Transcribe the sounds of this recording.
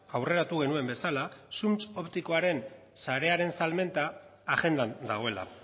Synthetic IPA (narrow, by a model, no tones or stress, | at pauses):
awre̞ɾat̪uɣ̞e̞nue̞mbe̞salasumt͡so̞pt̪iko̞aɾe̞n | saɾe̞aɾe̞nsalme̞nt̪aːʝe̞nd̪and̪aɣ̞o̞e̞la̰